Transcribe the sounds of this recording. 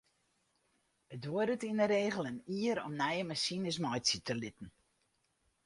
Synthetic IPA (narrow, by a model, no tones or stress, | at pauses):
ətʋʊədətinəɾeːɣəlˠəniːəɾɔ̰mnɛjəmasinəsmɔjsətʰəlɪtn̩